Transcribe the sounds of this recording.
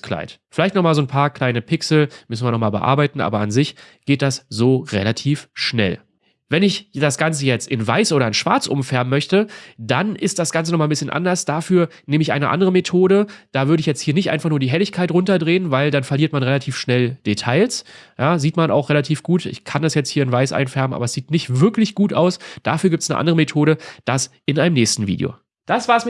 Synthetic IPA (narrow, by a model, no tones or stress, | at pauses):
kʰl̥a̰ɪtfɪlaɪçtnɔχmaːlzoːnpʰaːɐkl̥aɪnəpʰɪksl̩mʏsn̩viɐnɔχmaːlbə̰ʔa̰ːɐbaɪtn̩ʔa̰ːbɐanzɪçɡ̥eːt̚d̥asz̥oːʁḛlatʰiːfʃnɛ̰l | vɛnɪçd̥asɡ̥ant͡səjɛt͡stɪnvaɪsʔoːɾɐɪnʃv̥a̰ɐt͡sʔʊ̰mfɛɐbm̩ːœçtəd̥anʔɪstd̥asɡ̥ant͡sənɔχmaːlbɪsçənʔa̰ndɐsd̥aːfyːɐneːməɪçʔa̰ɪnəʔa̰ndəʁəmetʰoːɾəd̥aːvʏɐdəɪçjɛt͡sthiːɐnɪçtʔaɪnfaχnuːɐdiːɦɛlɪçkʰaɪtʁʊntɐdʁeːənvaɪldanfɛɐliːɐtmanʁelatʰiːfʃnɛld̥etʰaɪlsjaːziːtmana̰ʊχʁelatʰiːfɡ̥uːtɪ̰çkʰanasjɛt͡sthiːɐɪnvaɪsʔa̰ɪnfɛɐbəmʔa̰ːbɐɛsz̥iːtnɪçtv̥ɪɐklɪçɡ̥uːta̰ʊsd̥aːfyːɐɡiptsnə̰ʔa̰ndəʁəmetʰoːɾəd̥as | ɪnʔaɪnəmnɛːçstn̩vḭːdḭo̰ | d̥asv̥aːs